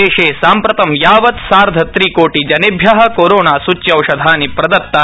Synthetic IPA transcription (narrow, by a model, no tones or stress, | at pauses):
eːʃeːsaːmpɾɐt̪ɐmjaːʋɐt̪saːɾd̪ʱɐt̪ɾiːkoːʈid͡ʒɐnebʱjɐɦɐ̆koːɾoːnaːsut͡ʃːjɐwʂɐd̪ʱaːnipɾɐd̪ɐt̪ːa